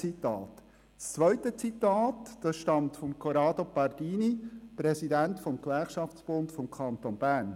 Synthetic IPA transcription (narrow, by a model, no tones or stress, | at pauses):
it̪ɑːt | st͡sʋœʏtət͡sitɑːtd̥ɑsʃtɑmtfɔmkʰɔɾɑːdopɑɾdiːnipɾɛsidæntfɔmkʋæɾχʃɑfsb̥ʊntfɔmkʰɑnt̪onb̥æːn